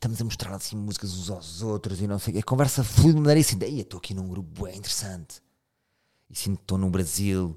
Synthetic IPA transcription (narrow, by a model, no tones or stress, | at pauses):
ʃt̪ɐmuzɐmuʃt̪ɾaɾˠɐsĩmuzikɐzũzawzot̪ɾuzinɐ̃w̃sejkekõvɛɾsɐflˠuðmmɐnɐɾisĩnd̪iet̪oɐkʰinũɡɾupuɐɛ̃ĩnt̪ɨɾɨsɐ̃nt̪ | isĩnd̪̚t̪ːonuβɾɐzilˠ